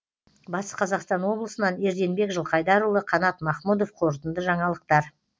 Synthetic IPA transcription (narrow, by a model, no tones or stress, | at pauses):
bɑsqʰɑzɑqst̪ɑnwo̞blˠəsənɑne̞ɾd̪e̞nbe̞kʒəlˠqʰɑjd̪ɑɾulˠəqʰɑnɑt̪mɑχmud̪o̞fqʰo̞ɾt̪ənd̪əʒɑɴɑlˠəq̚t̪ɑɾ